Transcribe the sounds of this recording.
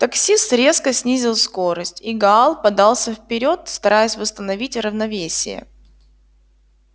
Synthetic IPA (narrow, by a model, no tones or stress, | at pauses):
t̪ɐksʲisɾʲe̞skəsʲnʲizʲɪlˠsko̞ɾəsʲtʲiɡɐalˠpɐd̪ɑlˠsʲəfpʲɪɾʲo̞t̪st̪ɐɾajəsʲvəst̪ənɐvʲitʲrəvnɐvʲesʲɪ̰jə̰